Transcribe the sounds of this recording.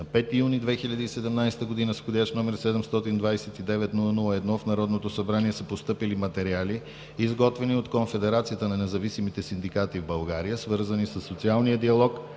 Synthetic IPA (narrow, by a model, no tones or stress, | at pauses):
nɐpɛt̪ijunid̪vɛxiʎʲəd̪iːsɛd̪ɛmnajst̪əɡod̪inəsxod̪ʲjaʃnɔmɛɾsɛd̪ɛmst̪ɔt̪ind̪vajsɛt̪id̪ɛvɛt̪nulˠənulˠəɛd̪nɔfnɐɾɔd̪not̪osɐbɾaniɛsəpost̪ɤpilimɐt̪ɛɾiali | izɡɔt̪vɛniot̪konfɛd̪ɛɾat̪sijət̪ənɐnɛzɐvisimit̪ɛsind̪ikat̪ivbɐlˠɡaɾijəsvɤɾzənisəsːot̪sialˠnijəd̪iɐlˠɔk